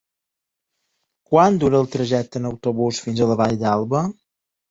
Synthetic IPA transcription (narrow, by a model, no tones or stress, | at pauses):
kwand̪uɾəːlˠt̪ɾəʒɛk̚t̪ənəwt̪uβusfinzələβaʎd̪alˠβə